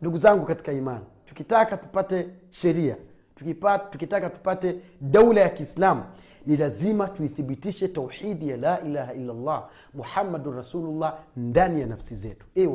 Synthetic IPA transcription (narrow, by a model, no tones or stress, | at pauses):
nduɡuzaŋɡukati̥kaimanitu̥kitakatu̥patɛ | ʃɛɾia̰ | tukipatukitakatu̥patɛɗaulajakiːslamu | nilazimatuiθiɓitiʃɛtawħidijalaːʔilahaʔilːalˤːɑː | muħamːadunrɑsuːlulːɑndanijanafsizɛ̰tu̥ɛ